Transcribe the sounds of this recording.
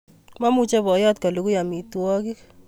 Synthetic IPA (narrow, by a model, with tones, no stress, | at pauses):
ma˦mu˦t͡ʃɛ˦bɔ˨˦jɔ˦t̚ka˨lu˨ku˦ja˨mi˨twɔ˦ki˦k